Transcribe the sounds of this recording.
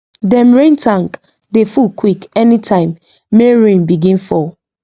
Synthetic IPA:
dɛ̃mɹẽntʰãŋk | defulkwikɛnitʰãɪ̃mː | eɹẽnbiɡĩnfɔ

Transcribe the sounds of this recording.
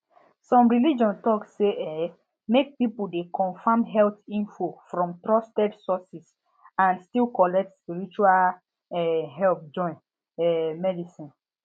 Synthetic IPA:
sɔ̃mɹilid͡ʒɔ̃ntɔkseɛ | mek̚pipuldekɔ̃nfãmɦɛltĩnfofɹɔ̃mtɹɔstɛdsɔsis | ãnstilkɔlɛk̚tspiɹit͡ʃual | ɛɦɛlp̚d͡ʒɔ̃ɪ̃n | ɛmɛdisĩn

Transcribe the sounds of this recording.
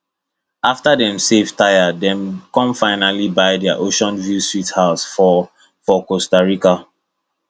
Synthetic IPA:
aftadɛ̃msevtajadɛ̃mkɔ̃mfaɪnalibaɪdɛaʔoʃɔ̃nvjuswithaʊsfɔ | fɔkostaɹika

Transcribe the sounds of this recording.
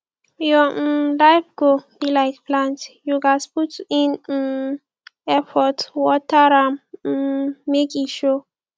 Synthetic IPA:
jɔdajfɡob̥ilaɪkplãntjuɡasputĩn | ɛfɔtwɔtaɹãm̩ː | ekiʃo

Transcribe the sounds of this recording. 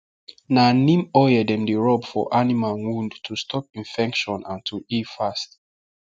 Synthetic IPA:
nanĩmɔjədɛ̃mdeɹɔbfɔ̰ʔanimalwũndtʰustʰɔp̚ĩnfɛkʃɔ̃nã̰ntʰuifast

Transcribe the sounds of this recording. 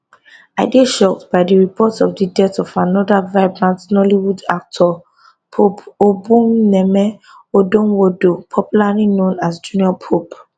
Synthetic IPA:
aɪdeʃɔk̚tbaɪdiɹipʰɔtɔfdidɛtɔfanɔdavaɪbɹãntnɔliwuda̰k̚tʰɔ | pʰopobũmnɛmɛ | odõnwodopʰɔpjulalinõnasd͡ʒuniɔpʰop

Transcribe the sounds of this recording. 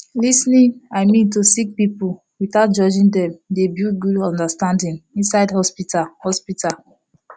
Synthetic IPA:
lisnĩnaɪmĩntusik̚pipu | wiθaʊt̚d͡ʒɔd͡ʒĩndɛ̃mdebjuɡudɔ̃ndastãndĩŋĩnsaɪdhɔspitahɔspitʰal

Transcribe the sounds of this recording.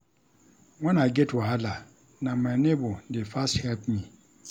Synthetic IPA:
ŋɔ̃naɡɛtaala | nãmɛ̃nɪ̃bʊdɪfasthɛlpmĩ

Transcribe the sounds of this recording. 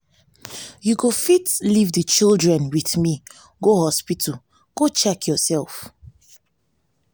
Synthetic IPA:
juɡofitlivðət͡ʃilˠdɹɛ̃nwiθmi | ɡohɔspitʰə | ɡ̥ot͡ʃɛkʰjɔsɛlˠf

